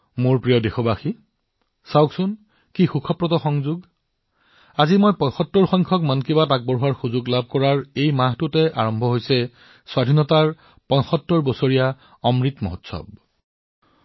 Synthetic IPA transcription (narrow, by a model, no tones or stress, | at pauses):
moɹpɹijɔdexɔbaxi | sawksʊn | kixukʰɔpɹɔtɔxɔŋzuɡ | azimojpɔjxɔtːɔɹxɔjŋkʰɔkmankibatak̚bɔɹɦuaɹxuzuɡlab̚ʱkɔɹaɹejmaɦtʊtɛʔa̰ɹɔmbʱɔɦojsɛ | swadʱinɔtaɹ | pɔjxɔtːɔɹbɔsoɹija | ɔmɹitmɔ̰ɦɔtsɔ̰b̚